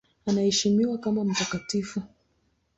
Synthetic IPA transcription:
anahɛʃimiwakamam̩takatifu

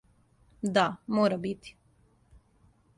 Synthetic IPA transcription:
d̪amoːɾabit̪i̥

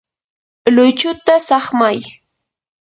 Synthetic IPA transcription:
lʊjt͡ʃʊt̪asɑχmaj

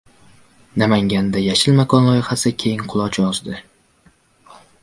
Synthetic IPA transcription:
namaŋɡʲand̪ajaʃɪlmakʰɒnlˠɒjɪχasɪkʲʰe̞jɪŋqʰʊlˠɒt͡ʃʰɒzd̪ɪ

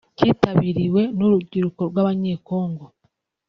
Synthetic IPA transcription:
citaβiɾiwe̞nuɾuɟiɾuko̞ɾwaːβaɲe̞ko̞ːŋɡo

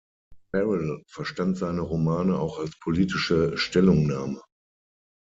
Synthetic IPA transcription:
bɛʁɪlfɛɐʃtantz̥aɪnəʁomaːnəaʊxalspʰoliːtɪʃəʃtɛlʊŋnaːmə

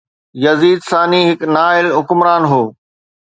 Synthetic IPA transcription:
jɐziːd̪saːniɦɪknaːɪlɦʊkʊmɾaːnɦoː

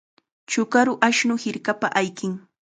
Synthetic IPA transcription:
t͡ʃʊkaɾʊʔaʃnʊhɪɾkapa̰ʔajkɪŋ

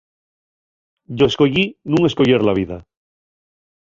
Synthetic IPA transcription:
ɟ͡ʝoesko̞ʎinũŋe̞skoʝeɾlaβ̞iða̰

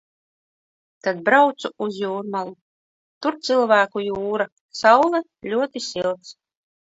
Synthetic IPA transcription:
t̪ad̪̚bɾawt̪suuzjuːɾmalˠu | t̪uɾt̪sɨlˠvæːkujuːɾa | sawlˠɛ | lʲuɔt̪isilˠt̪s

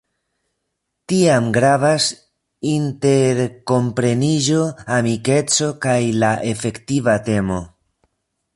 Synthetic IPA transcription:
tiamɡɾavas | inte̞ɾko̞mpɾe̞niʒo̞amike̞t͡so̞kajlaʔe̞fe̞ktivate̞mo̞

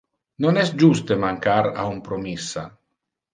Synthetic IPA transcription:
nonɛsd͡ʒust̪emaŋkaɾa̰umpɾomisːa̰

